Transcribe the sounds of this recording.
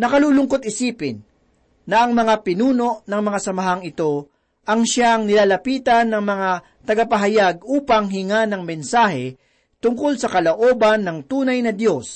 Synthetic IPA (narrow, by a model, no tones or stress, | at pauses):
nɐkɐluːlʊŋkot̪̚ɪsiːpɪnː | ɐɐŋmɐŋapɪnuːno̞ʔnɐŋmɐŋasɐmɐɦaŋɪt̪o̞ | ʔɐŋʃaŋnɪlaːlɐpiːt̪ɐnːɐŋmɐŋa | t̪ɐɡapɐɦɐjaɡ̚uːpɐŋɦɪŋanɐŋmɛnsaːhɛ | t̪ʊŋkolsɐkɐloʔoːbɐnːɐŋt̪uːnɐjnɐd̪jo̞s